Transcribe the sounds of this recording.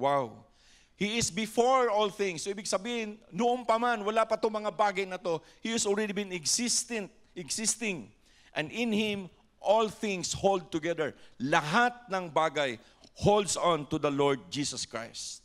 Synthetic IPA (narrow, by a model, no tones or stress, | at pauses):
waw | hiɪsbɪfoɹɔlθɪ̃ŋsːoʔiːbɪɡ̚sɐbiːhɪnnoʔʊmpɐmanwɐlapɐt̪oŋmɐŋabaːɡɐjnɐt̪o̞ | hihɐsolɹɛd̪ibɪ̃nɪɡsɪst̪ɪnt̪̚ | ɪɡsɪst̪ɪ̃ŋ | ʔɛ̃nd̪ɪ̃nhɪ̃m | ʔɔlθɪ̃ŋshold̪̚t̪ʊɡɛðəɹlɐɦat̪̚nɐŋbaːɡɐj | howld̪sɔ̃nt̪ʊd̪ɐloɹd̪̚d͡ʒisɐskɹa̰jst̪̚